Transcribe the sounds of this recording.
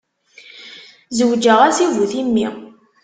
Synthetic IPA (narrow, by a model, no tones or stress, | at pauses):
zəwd͡ʒəʁæsivuθimːi